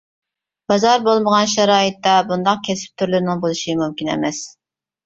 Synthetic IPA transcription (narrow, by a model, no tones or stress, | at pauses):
b̥ɑzɑɾbolˠməʁɑnʃɛɾɑːjɨt̪ːɑbund̪ɑq̚kʲʰɛsɪ̥p̚t̪ʰyɾlyɾnɪŋbolˠɨʃimumkʲinɛ̰mɛs